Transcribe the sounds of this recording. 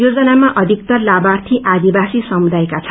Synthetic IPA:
jod͡zʌnamaʔʌd̪ʱik̚t̪ʌrlabart̪ʰiʔad̪ibasisʌmud̪ajekat͡sʰ

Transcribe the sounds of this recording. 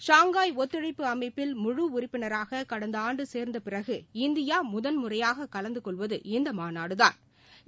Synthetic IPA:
ʂaːŋɡaːjɔt̪ːɪɻɐɪpːɯɐmɐɪpːɪlmʊɻuʊrɪpːɪnɐɾaːɣɐkɐɽɐnd̪ɐaːɳɖɯseːɾnd̪ɐpɪrɐɣɯɪnd̪ɪjaːmʊðɐnmʊrɐjaːɣɐkɐlɐnd̪ɯkɔɭʋɐðɯɪnd̪ɐmaːnaːɽɯða̰ːn

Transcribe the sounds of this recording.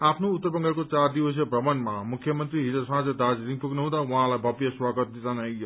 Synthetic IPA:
apʰnoːt̪ːəɾbʌŋɡakot͡saɾd̪iwʌs̬jʌbɾʌmʌnmamukʰːjʌmʌnt̪ɾiɦiɾʌsɦãd͡zed̪ad͡zɾiŋpuknʌɦũd̪auɦãlajbʱʌbjʌswaɡʌt̪̚d̪it͡sanaijo

